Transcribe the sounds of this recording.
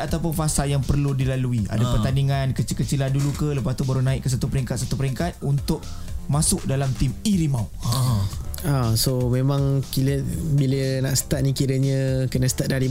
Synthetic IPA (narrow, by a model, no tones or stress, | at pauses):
at̪awpʊnfasaljaŋpərludilaluia̰dapərt̪andiŋankət͡ʃikət͡ʃilandulukələpast̪ubaɾunaɪʔ̚kːəs̬at̪upəɾiŋkat̪̚sat̪upəɾiŋkat̪̚unt̪ʊʔ | masʊʔdalamt̪imiɾimaw | asomemãŋkiləbilənaʔsə̥t̪at̪̚nĩkiɾəɲə̃kənəsə̥t̪at̪̚daɾi